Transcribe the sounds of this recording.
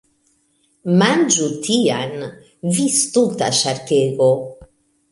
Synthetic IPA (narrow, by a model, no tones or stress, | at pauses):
mand͡ʒut̪ʰian | vist̪ut̪a̰ʃaɾteɡo